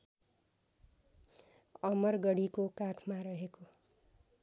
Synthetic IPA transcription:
ʌmʌrɡʌɽikokakʰmaɾʌɦeko

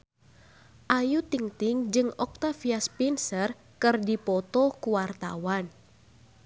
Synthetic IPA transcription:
ʔajut̪iŋt̪ɪŋd͡ʒɨŋɔk̚t̪afiaspinsər | kɨrdipɔt̪ɔkuwart̪a̰wan

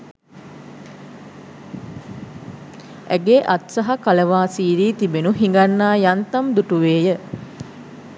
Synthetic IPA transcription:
æ̰ɡeːʔat̪sɐɦakaləʋaːsiːɾiːt̪ibenuɦiŋɡanːaːjant̪ɐmd̪uʈuʋeːjə

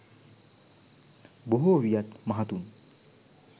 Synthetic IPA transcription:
boɦoʋijat̪maɦat̪un

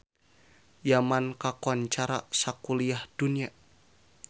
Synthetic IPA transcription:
jamankakɔnt͡ʃaɾasakuliahd̥unia

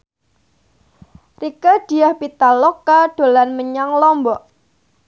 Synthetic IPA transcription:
rikad̥i̤ahpit̪alɔkaɖ̥o̤lanməɲaŋlɔmbɔʔ

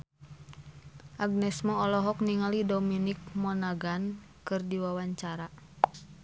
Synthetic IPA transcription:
ʔaɡ̚nɛsmɔːlɔɦɔk̚niŋalidɔminik̚mɔnaɡan | kɨrdiwawaɲt͡ʃaɾa

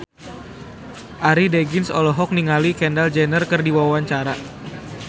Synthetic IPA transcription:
ʔaɾideɡɪnsɔlɔɦɔk̚niŋalikɛndald͡ʒɛnərkərdiwawawaɲt͡ʃaɾa

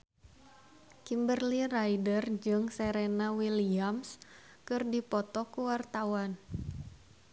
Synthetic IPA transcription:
kimbərlirajdərd͡ʒɨŋsɛɾenawiliams | kɨrdipɔt̪ɔkuwart̪awan

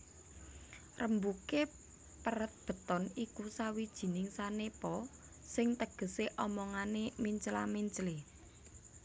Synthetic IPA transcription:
rəmbuke | pəɾət̪̚b̥ə̤t̪ɔnikusawid̥ʒ̥i̤nɪŋsanepɔ | sɪŋt̪əɡ̥ə̤seʔɔmɔŋanemiɲt͡ʃla̰miɲt͡ʃle

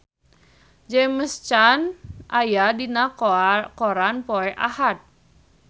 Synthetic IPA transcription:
d͡ʒɛməst͡ʃanʔajadinakɔɾanpoɛʔa̰hat̪̚

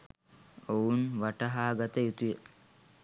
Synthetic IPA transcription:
ounʋaʈɐɦaːɡat̪əjut̪ujə

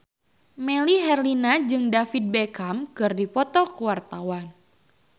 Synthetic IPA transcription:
meliɦɛrlinad͡ʒɨŋdafid̪̚bɛkamkɨrdipɔt̪ɔkuwart̪awan

